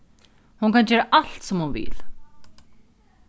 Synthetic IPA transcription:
hunkand͡ʑɛːɾaʔal̥t̪sɔmhunvɪ̰l

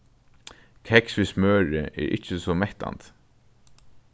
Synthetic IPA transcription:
kʰɛksʋismøːɹɪʔɛ̰ːɾʔɪ̰t͡ʃːəsɔmɛht̪a̰nt̪

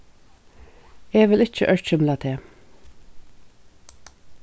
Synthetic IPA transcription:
eːʋɪlɪc͡çə̰ʔœɹc͡çʏmlɑt̪ʰeː

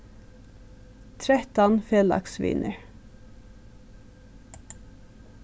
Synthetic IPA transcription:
t̪ʰɹɛt̪ɑnfeːlɑ̰ksʋḭːnʔəɹ

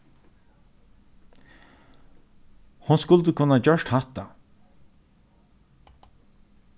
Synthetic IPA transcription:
hʊnskʊlt̪əkʰʊnːad͡ʒœʂʈhaht̪a

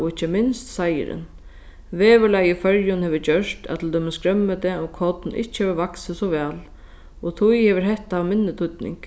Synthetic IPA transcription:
ɔɪt͡ɕːəmɪnst̪sajɪ̰ɾɪ̰n | veːʋɪlajɪfœɾjʊnhɛːʋɪt͡ɕœʂt̪ɛ̰t̪ʰɪlt̪œːmɪnskɾœmːət̪ɛɔkʰɔt̪nʔɪ̰ht͡ɕːhɛːʋəʋaksɪsɔʋɛːl | ɔt̪ʰujhɛːʋəɾɦɛht̪aaʋmɪnːɪt̪ʰʊt̪nɪ̰ŋk

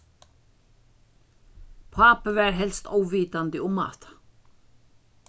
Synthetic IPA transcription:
pʰɑːpəʋæːɾɦɛlst̪ɔʊʋiːt̪ɑnd̪əʊmɑ̰θt̪

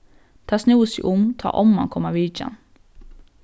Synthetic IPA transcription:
t̪ʰɑːsnuːsḭːʔʊmt̪ʰɑ̰ːʔɔmɑ̰nkʰɔmaʋiːd͡ʒə̰n

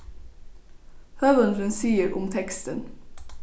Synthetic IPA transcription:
hœʋənd̪ənsiːəɾʔʊmt̪ʰɛkst̪ən

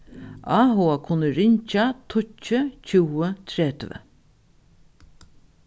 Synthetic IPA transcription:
aːɦoːakʰʊnːəɾɪɲt͡ʃat̪ʰʊt͡ʃːət͡ʃʰuːət̪ʰɾɛːt̪və̰

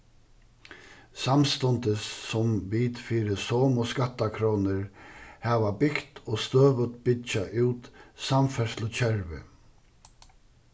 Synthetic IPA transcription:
samst̪ɔnt̪ɪsːɔmviːt̪fiːɾɪsɔːmɔskat̪ːakʰɾɔːnɪɾhɛːʋabɪkt̪ɔːst̪øːʋət̪bɪt͡ʃaʔuːt̪samfɛɾslʊt͡ɕʰɛɹvɪ̰

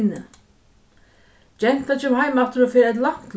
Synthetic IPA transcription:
nɪ | t͡ɕɛn̥t̪at͡ɕʏmɦaːjmaft̪ʏɾɔfɪːɾɪɛt̪̬lam̥t̪l

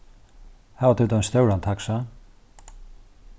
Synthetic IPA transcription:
haːvat̪ʰɪt̪avɛnst̪jowɾant̪ʰaksa

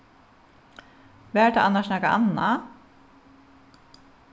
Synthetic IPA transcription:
ʋæːt̪ʰa̰ʔanaʃnakaʔa̰nːa

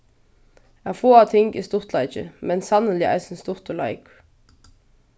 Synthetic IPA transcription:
afoːat̪ʰɪŋkḭst̪ʊr̥t̪laɪt͡ʃɪ̰mɛnsanːənlɪa̰ɪsɪnst̪ʊr̥t̪ʊla̰ɪk

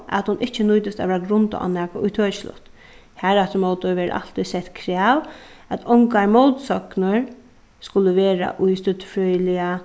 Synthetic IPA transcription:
ʔa̰t̪hʊnʔɪht͡ʃːənʊjt̪ɪst̪a̰ʋɛːɾaɡɾʊnt̪ʊ̰ʔa̰næːkaʊjt̪ʰøːt͡ʃslʊ̰ht̪ | hæɾɛt̪əɾmowt̪ʊɹʋɛːɾ̰ʔa̰l̥t̪isɛht̪kʰɾɛːw | æt̪ʰɔŋkaɹmɔwt̪sɔknəɹ | skʊləʋeːɾa̰ʔʊjst̪ʏt̪fɹœjlɪa

